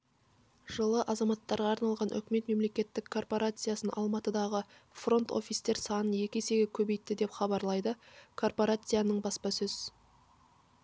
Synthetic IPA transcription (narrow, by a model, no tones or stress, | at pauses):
ʒ̥əlˠəʔɑzɑmɑt̪ːɑɾʁɑːɾnɑlˠʁɑnʔʏ̰kʲɪme̞t̪me̞mle̞kʲe̞t̪ːɪkʰːo̞rpo̞ɾat̪sɨjasənʔɑ̰lˠmɑt̪əd̪ɑʁə | fro̞nt̪o̞̰fʲijst̪e̞ɾsɑnəje̞kʲese̞ɡʲekʲʰɵbe̞jt̪ːɪd̪e̞pχɑbɑɾlˠɑjd̪əkʰo̞rpo̞ɾat̪sɨjanəɴbɑspɑsɵz̥